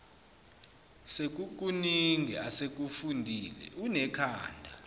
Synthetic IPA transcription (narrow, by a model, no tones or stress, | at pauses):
sek̬ʼuk̬ʼuniŋʱɛ̰asek̬ʼufundʱiːlɛ̰unɛkʰaːndʱa̰